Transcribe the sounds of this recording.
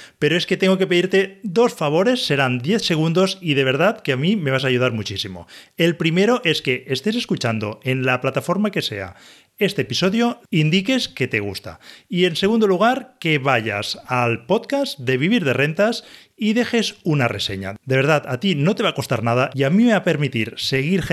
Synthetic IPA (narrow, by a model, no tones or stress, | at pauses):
pe̞ɾoe̞ske̞t̪eŋɡo̞kepeiɾt̪e̞d̪o̞sfaβ̞o̞ɾe̞sːe̞ɾand̪jeθse̞ɣ̞und̪o̞sið̞e̞β̞e̞ɾðat̪keamime̞βasaːʝuð̞aɾmut͡ʃisimo̞̰e̞lpɾime̞ɾo̞ʔe̞ske̞est̪e̞s̬e̞skut͡ʃand̪o̞̰e̞nlaplat̪afo̞ɾmake̞se̞̰a̰ | e̞st̪eːpiso̞ðjo̞ind̪ike̞ske̞t̪e̞ɣ̞ṵst̪a̰ie̞nse̞ɣ̞und̪oluɣ̞aɾke̞βaʝa̰salpo̞t̪kazd̪e̞β̞iβ̞iɾðe̞re̞nt̪as | iðe̞xe̞sunare̞seɲa̰d̪e̞β̞e̞ɾðat̪at̪ino̞t̪eβako̞st̪a̰ɾnað̞aʔiamimeape̞ɾmit̪iɾse̞ɣiɾ